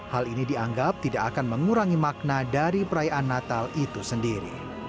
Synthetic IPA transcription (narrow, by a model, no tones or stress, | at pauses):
halinidiaŋɡap̚t̪idakakanməŋuɾaŋimak̚nadaɾipəɾajaʔanːat̪alit̪usəndiɾḭ